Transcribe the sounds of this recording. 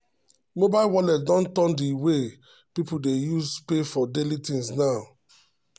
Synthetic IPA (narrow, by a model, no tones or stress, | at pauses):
mobalwɔlɛt̚dɔ̃ntɔ̃ndiwe | pipudejuzpefɔdelitĩŋsnaʊ